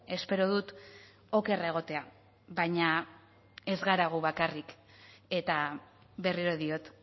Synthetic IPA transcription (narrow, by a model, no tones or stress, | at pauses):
e̞spe̞ɾo̞ðut̪ | o̞ke̞raeɣ̞o̞t̪e̞a | βajɲa | e̞zɣaɾaɣ̞uβakarik | e̞t̪a | βe̞riɾo̞ðio̞t̪